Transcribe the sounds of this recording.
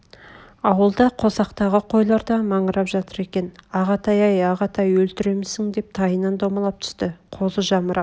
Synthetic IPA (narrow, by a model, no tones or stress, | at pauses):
ɑwəlˠd̪ɑqʰo̞sɑqt̪ɑʁəqʰo̞jlˠɑɾd̪ɑmɑɴəɾɑpʒɑt̪əɾe̞kʲe̞nɑʁɑt̪ʰɑjɑjɑʁɑt̪ʰɑjwɵlt̪ɪɾe̞mɪsɪŋd̪e̞p̚t̪ʰɑjənɑnd̪omɑlˠɑp̚t̪ʰʏ̥st̪ɪqʰo̞zəʒɑməɾɑ